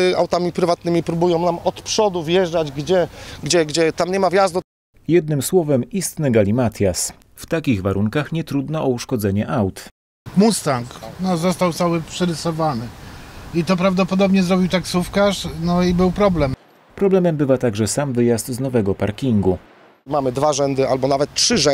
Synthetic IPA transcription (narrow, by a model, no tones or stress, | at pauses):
awt̪amʲipɾɘvat̪̚nɘmʲipɾubujɔ̃w̃namɔt̪pʂɔd̪uvjɛʐd͡ʒad͡ʑɡd͡ʑɛɡd͡ʑɛɡd͡ʑɛt̪amɲɛmavʲjazd̪u | jɛd̪nɘmswɔvɛmist̪nɘɡalʲimat̪ʲjas | ft̪akʲiɣvaɾʔuŋkaxɲɛt̪ɾud̪nɔʔɔuʂkɔd̪zɛɲɛʔawt̪ | must̪aŋknɔzɔst̪awst̪awpʂɛɾɘsɔvanɘit̪ɔpɾavd̪ɔpɔd̪ɔbɲɛzɾɔbʲiwt̪aksufkaʂnɔibɘwpɾɔblɛm | pɾɔblɛmɛmbɘvat̪aɡʐɛsamvɘjast̪znɔvɛɡɔpaɾkʲiŋɡu | mamɘd̪vaʐɛnd̪ɘʔalbɔnavɛt̪tʂɘʐɛ